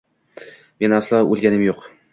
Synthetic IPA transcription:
me̞naslaolˠɡʲanɪmjoq

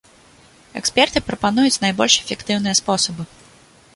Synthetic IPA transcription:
ɛ̰kspʲɛrt̪ɨpɾɐpanujut͡sʲnajbɔlʲʂɛfʲɛkt̪ɨwn̪ɨjɐspɔsɐbɨ

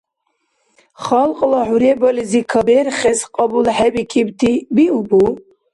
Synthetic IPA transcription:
χalqʼlaħuɾɛbɔlizikʰabɛɾχɛsqʼɑbulħɛbikʰibt̪ʰibiubu

